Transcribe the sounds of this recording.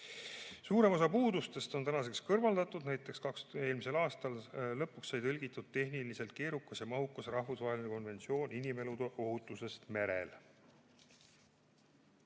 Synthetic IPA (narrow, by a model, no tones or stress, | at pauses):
suːɾe̞mo̞s̬ɑpuːd̪ust̪e̞st̪o̞nt̪ænɑse̞kskɤrvɑld̪̥ɑt̪ːˑud̪̥næjt̪ːˑe̞kskɑkse̞ːlmise̞lɑːst̪ɑllɤpːˑuksːɑjt̪ɤlʲɡit̪ːud̪̥̚t̪ːe̞ɦnilise̞lt̪̚ke̞ːɾukːˑɑsjɑmɑɦukːɑsrɑhvusvɑːɦe̞lineko̞nve̞nsio̞ːninime̞lud̪eʔo̞ɦut̪ːˑuse̞st̪meɾḛl